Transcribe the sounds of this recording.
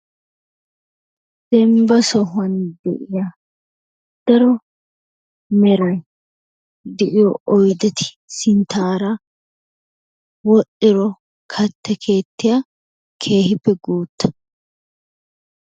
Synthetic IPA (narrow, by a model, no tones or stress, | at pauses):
d̪̥ɛmbɐsɔɦʊɐnd̪ɛ̰ʔɪja | d̪̥ɐɾɔ | mɛɾɐj | d̪ɛʔɪjɔɔjd̪ɛt̪ɪ̥ | sɪnt̪ʰaːɾɐ | wɔʔːɪɾɔ | kʰɐt̪ːɛkʰe̞ːt̪ːɪja | kʰe̞ːhɪpːɛɡoːt̪ːɐ̥